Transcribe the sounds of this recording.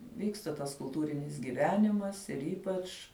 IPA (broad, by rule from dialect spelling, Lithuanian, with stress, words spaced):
ˈʋʲiːkstɐ tɐs kʊlˠˈtuːrʲɪnʲɪs ɡʲiːˈʋʲæːnʲɪmɐs ɪr ˈiːpɐt͡ʃ